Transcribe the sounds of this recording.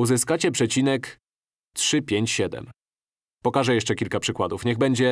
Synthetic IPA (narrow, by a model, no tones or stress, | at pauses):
uzɘskat͡ɕɛpʂɛt͡ɕinɛk | tʂɘpʲjeɲt͡ɕɕɛd̪ɛ̰m | pɔkaʐɛjɛʂt͡ʂɛkʲilkapʂɘkwad̪ufɲɛɣbɛɲd͡ʑɛ